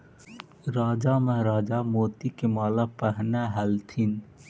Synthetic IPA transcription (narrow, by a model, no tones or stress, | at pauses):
ɾaːd͡ʒamɐɦɾaːd͡ʒamoːt̪ikemaːlapəɦnaɦɛlt̪ʰin